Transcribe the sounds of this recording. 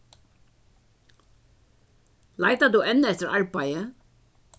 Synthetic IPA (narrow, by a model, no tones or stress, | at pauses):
laɪt̪ad̪uːʔɛnːəɛt̪əɹɑɹbajə